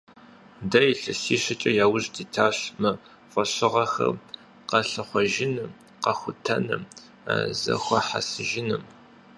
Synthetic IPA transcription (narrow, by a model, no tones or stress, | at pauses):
dɐjɬɨsiːɕɐt͡ʃʼɐjaːwʊʑdiːtʰaːɕmɨ | fʷʼɔɕɪʁɐxɐ̰r | qɐɬɨχʷɔʒɪnɨ | qɐxʷʊtʰɐnɨ̰m | a̰zɐ̰xʷɔħa̰sɨʒɪnɨm